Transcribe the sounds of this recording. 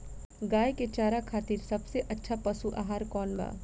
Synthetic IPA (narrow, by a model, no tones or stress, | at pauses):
ɡaːjket͡ʃaːɾakʰaːt̪iːɾsɐbseʔɐtːʃʰapɐsuʔa̰ːɦaːɾkɔːnma̰ː